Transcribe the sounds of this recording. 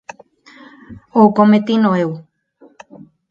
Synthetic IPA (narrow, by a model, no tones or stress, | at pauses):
oukomet̪inõeu